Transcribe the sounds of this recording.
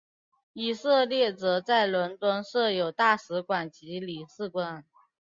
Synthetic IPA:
i˨˩sɤ˥˧ljɛ˥˩t͡sɤ˧˥t͡sa˥˩ɪlwə˧˥nt̪wə˥nʂɤ˥˩jo˨˩ʊt̪a˥˩ʂɻ̩˧˥kwa˨˩nt͡ɕi˧˥li˨˩sɹ̩˥˩kwa˥n

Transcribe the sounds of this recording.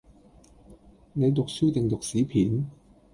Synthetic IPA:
ne˨˧jt̪ʊ˨k̚syː˥t̪ɪ˨˩ŋt̪ʊ˨k̚siː˨˥pʰiː˨˥n

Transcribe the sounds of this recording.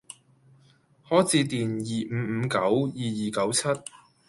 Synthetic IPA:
hɔː˨˥jt͡siː˧t̪iː˨˩njiː˨˩˨m̩˨˧kɐ˨˥wjiː˨jiː˨˩kɐ˨˥wt͡sʰɐ˥t̚

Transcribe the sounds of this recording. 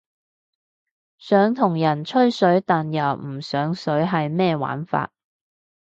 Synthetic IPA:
sœː˨˥ŋt̪ʰʊ˨˩ŋjɐ˨˩nt͡ʃʰɵ˥ɥsɵ˨˥ɥt̪aː˨njɐ˨˩wm̩˨˩sœː˨˥ŋsɵ˨˥ɥɦɐ˨jmɛː˥wa̰ː˨˥nfa̰ː˧t̚

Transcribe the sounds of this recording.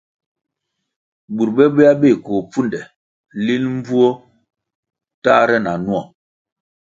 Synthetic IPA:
bu˨ɾbɛ˦be˦a˦be˦˨ko˨p͡fu˦ndɛ˨ | li˦lm̩˦bu˦o˦ | ta˦ɾɛ˦na˨nu˦ɔ˨

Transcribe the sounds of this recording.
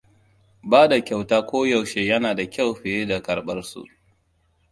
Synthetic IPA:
baː˦da˨kʲa˨wtaː˦kʷoː˦ja˨wʃeː˦jɐ˦naː˨da˨kʲa˦˨wɸɪ˨jeː˦da˨kɐ˨ɽɓɐ˦rsṵ˨ʔ

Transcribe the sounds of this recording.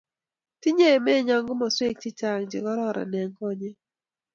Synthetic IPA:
ti˦ɲe˦˨mɛ˦˨ɲa˨ŋɡʊ˦mɔ˨swe˦k̚t͡ʃɪ˦t͡ʃa˨ŋd͡ʒɪ̰˨kɔ˦ɾɔ˦ɾa̰˨nɛ˨ŋkɔ˦ɲɛ˦

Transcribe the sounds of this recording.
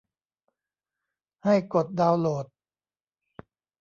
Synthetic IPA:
ha˥˩jko˨˩t̪̚daː˧wloː˨˩t̪̚

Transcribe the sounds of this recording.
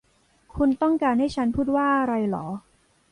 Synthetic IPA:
kʰu˧nt̪ɔ˥˩ŋkaː˧nha˥˩jt͡ɕʰa˦˥npʰuː˥˩t̪̚waː˥˩ʔa˧ɾa˧jlɔ̰ː˩˦

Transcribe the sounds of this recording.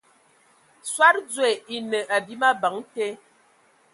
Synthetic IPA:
swa˦t̚d͡ze˨i˦nə˨ʔa˨bi˦ma˦ba˨˦ŋte˦

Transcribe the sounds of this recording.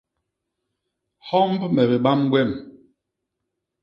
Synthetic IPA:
hɔ˦mbmɛ˨be˨ɓa˦mɡwɛ˦˨m

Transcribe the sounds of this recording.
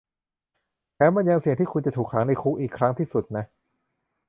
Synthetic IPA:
pʰɛː˦˥wma˧nja˧ŋsi˨˩əŋt̪ʰiː˥˩kʰu˧nt͡ɕa˨˩t̪ʰuː˨˩kʰːaː˩˦ŋna˧jkʰuː˦˥ʔiː˨˩kʰːɾa˦˥ŋt̪ʰiː˥˩su˨˩t̪̚na˦˥

